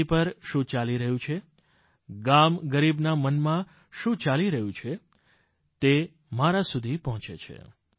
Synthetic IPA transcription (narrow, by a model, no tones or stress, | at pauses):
ipəɾʃũt͡ʃaliɾəɦjũt͡ʃʰe | ɡamɡəɾibnamənmã | ʃũt͡ʃaliɾəɦũt͡ʃʰe | t̪e | maɾasud̪ʱipɔɦɔ̃t͡ʃḛt͡ʃʰḛ